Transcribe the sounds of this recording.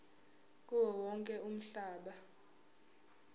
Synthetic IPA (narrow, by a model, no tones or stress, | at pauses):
k̬ʼuwɛwɔŋkʼɛʔum̩ɬaːɓa